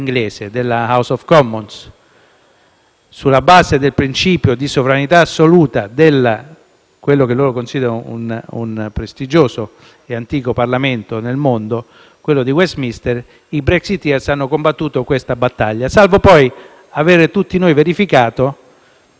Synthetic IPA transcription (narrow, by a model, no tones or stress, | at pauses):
iŋɡleːsed̪elːahawsɔfkɔmːons | ulːabaːzed̪elpɾint͡ʃiːpjod̪isovɾanit̪aːsːoluːt̪ad̪elːa | kwelːok̟elːoːɾokonsiːd̪eɾoṵnṵnpɾest̪id͡ʒoːso | eant̪iːkoparlament̪onelmond̪o | kwelːod̪iwɛst̪mist̪er | ibɾɛksit̪ːɛrsanːokombat̪ːuːt̪okwest̪abat̪ːaʎːasalvopɔj | aveːɾt̪ut̪ːinojveɾifikaːt̪o